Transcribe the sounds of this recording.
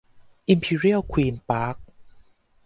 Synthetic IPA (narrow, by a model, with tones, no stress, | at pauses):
ʔi˧mpʰiː˧ɾi˥˩əwkʰwiː˧npaː˦˥k̚